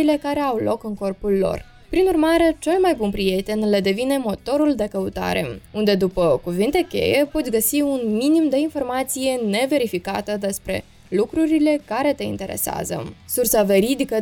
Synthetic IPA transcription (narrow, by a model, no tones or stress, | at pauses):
ile̞kaɾe̞awlo̞kɨŋko̞rpulːo̞̰r | pɾinurmaɾe̞t͡ʃe̞lmajbunpɾie̞t̪e̞nled̪e̞vine̞mo̞t̪o̞ɾuld̪e̞kəut̪a̰ɾe̞̰und̪e̞d̪upəkuvint̪e̞kʲe̞̰je̞po̞t̪sʲɡəsiunminimd̪e̞info̞rmat̪sije̞ne̞ve̞ɾifikat̪əd̪e̞spɾe̞̰ | lukɾuɾile̞kaɾe̞t̪e̞ḭnt̪e̞ɾe̞̰sea̰zə̰sursave̞ɾid̪ikə